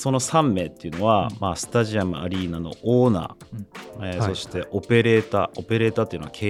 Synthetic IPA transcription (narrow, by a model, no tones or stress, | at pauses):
so̞no̞sãmːe̞ːt̪ːe̞iɯ̟no̞βamaːsɨ̥t̪aʑiamɯ̟aɾʲiːnano̞̰ʔoːna̰ː | eso̞ɕi̥t̪e̞ʔo̞pe̞ɾe̞ːt̪aːo̞pe̞ɾe̞ːt̪aːt̪ːeiɯ̟noakʰeː